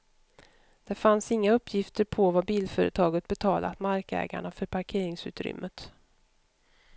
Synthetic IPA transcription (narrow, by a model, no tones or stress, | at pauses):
d̪̥ɛfansɪŋːaɵpːjɪft̪əɾpʰɔvabiːlfœːɾə̰t̪ʰɑːɡət̪̚bɛt̪ʰɑːlʔa̰t̪maɾkɛ̰ːɡa̰ɳafœɾpʰaɾkʰeːɾɪŋsʉ̟ːt̪ɾʏ̰mːət̪